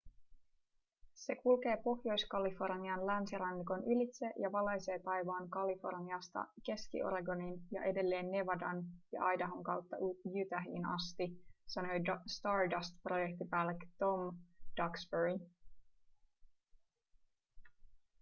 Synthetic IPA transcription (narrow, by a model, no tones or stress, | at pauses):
se̞kulke̞ːpo̞hjo̞jskɑlifo̞rniɑnlænsiɾɑnːiko̞nylit̪se̞jɑʋɑlɑjse̞ːt̪ɑjʋɑːŋkɑlifo̞̰rniɑst̪ɑ̰ke̞skḭʔo̞̰ɾɑɡo̞ninjɑ̰ʔe̞de̞lːe̞ːnːe̞ʋɑdɑnjɑ̰ʔɑjdɑɦoŋkɑwt̪ːɑʔjyt̪æɦḭːnɑ̰st̪isɑno̞jst̪ɑːɹdɑst̪pro̞jek̚t̪ipæːlːekt̪o̞md̥ɑksbeɹi